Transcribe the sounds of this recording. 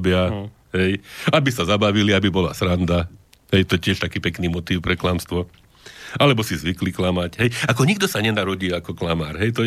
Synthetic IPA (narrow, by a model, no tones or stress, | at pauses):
bɪa | ɦɛjabisazabaʋiliabibɔla̰sɾand̪a | ɦɛjt̪ɔjɛcɪɛʃt̪akiːpɛkniːmɔt̪iːwpɾɛklamst̪ʋɔ | alɛbɔsizʋikliklamacɦɛjakɔɲiɡd̪ɔsaɲɛnaɾɔɟiːakɔklamaːɾɦɛjt̪ɔ